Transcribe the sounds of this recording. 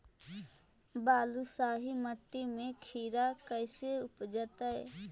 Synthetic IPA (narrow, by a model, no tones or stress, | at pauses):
baːlusaːɦiməʈːimẽkʰiːɾakəɪseʊpd͡ʒət̪əe